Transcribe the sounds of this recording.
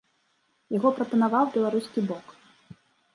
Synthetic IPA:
jaɣɔpɾɐpɐnavawbʲɛlˠaɾuskʲibɔk

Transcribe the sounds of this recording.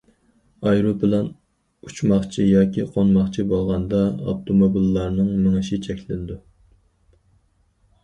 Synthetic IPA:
ɑjɾobɪlɛn | ut͡ʃmɑχt͡ʃʰijɑːkʲʰiqʰonmɑχt͡ʃʰibolˠʁɑnd̪ɑɑ̰t̪ʰomobilːɑɾnɨŋmɪŋɨʃit͡ʃʰɛkʲlɪnɪd̪u

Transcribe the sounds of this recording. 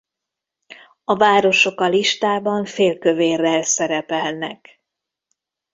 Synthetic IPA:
ɒvaːɾo̞ʃo̞kɒliʃt̪aːbɒɱfeːlkø̞veːrːɛlsɛɾɛpɛlnɛk

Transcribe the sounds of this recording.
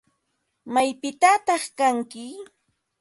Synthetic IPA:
majpɪt̪at̪ɑχkaŋkɪ

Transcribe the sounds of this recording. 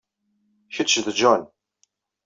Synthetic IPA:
çət͡ʃðd͡ʒɔn

